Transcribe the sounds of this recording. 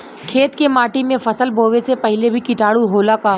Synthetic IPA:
kʰeːt̪kemaːʈimẽfɐsəlbʱoːʋesepɐɦlebʱikɪʈaːɽuɦoːlakaː

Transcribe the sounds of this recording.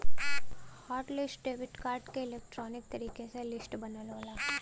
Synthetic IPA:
hɔːʈlɪsʈɖeːʋɪʈkaːɾʈkeɪleːk̚ʈɾɔːnɪk̚t̪ɐɾiːkeselɪsʈbɐnəlʋaːlaː

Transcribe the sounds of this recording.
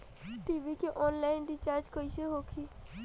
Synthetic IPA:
ʈiːʋikeʔɔːnlaɪnɖɪt͡ʃaːɾd͡ʒkoiseɦoːkʰiː

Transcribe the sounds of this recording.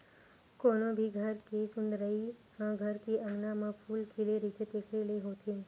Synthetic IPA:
koːnõbʱiɡʱəɾkesʊ̃nd̪ɾəihãɡʱəɾkiʔãːɡnãmãpʰuːlkʰileɾit̪et̪ekʰɾeləiɦot̪ʰĩn

